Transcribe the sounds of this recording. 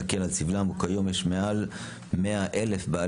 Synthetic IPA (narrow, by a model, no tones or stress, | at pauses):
akelat͡sivlamukajomjeʃmeal | meaʔe̞le̞fbaa